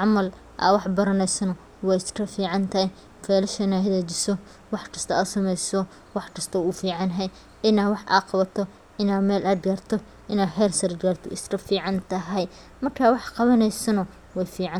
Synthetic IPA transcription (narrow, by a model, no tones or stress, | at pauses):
ʕɑmɐl | ʔɐ̰wɑħbɐɾɐnɛjsɐnɐ | wɛjɪskʰɐfiːʕɑnt̪ʰɐhɛj | fɛːlɐʃɐɪnaːɦɐðɛːt͡ʃɪsɔ | wɑħkʰɐst̪ʰɐɐsɐmɛjsɔ | wɑħkʰɐst̪ʰɐʊfiːʕɑnɦɛj | ɪnaːwɑħʔa̰ːqɑβɐt̪ʰɔ | ʔɪnaːmɛːlʔɐd̪ɡart̪ʰɔ | ʔɪnaːħɛːlsɐɾdɡaːrt̪ʰɔɪskɐfiːʕɑnt̪ʰɐɦɐj | mɐrkʰaːwɑħqɑβɐnɛjsɐnɐ | wɛjfiːʕɑ